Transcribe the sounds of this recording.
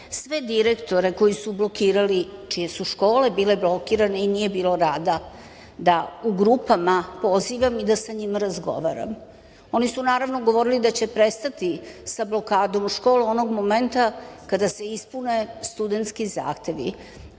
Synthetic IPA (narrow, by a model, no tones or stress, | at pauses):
sʋe̞d̪iɾekt̪o̞ɾe̞ko̞jisublo̞kiːɾalit͡ʃije̞suʃko̞ːle̞biːle̞blo̞kiɾane̞inije̞biːloɾaːd̪a | d̪auɡɾupamapo̞ziʋamid̪asaɲimaɾazɡo̞̰ʋaːɾa̰m | o̞nisunaːɾaʋno̞ɡo̞ʋo̞ɾilid̪at͡ɕe̞pɾe̞st̪at̪isablo̞kaːd̪o̞muʃkoːluo̞no̞ɡmo̞ment̪akad̪ase̞ispune̞st̪ud̪e̞nt̪skiza̰ːxt̪e̞ʋḭ